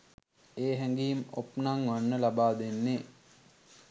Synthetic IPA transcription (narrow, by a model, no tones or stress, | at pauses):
eːɦɛŋɡiimo̰pnaŋʋanːəlabaːd̪enːe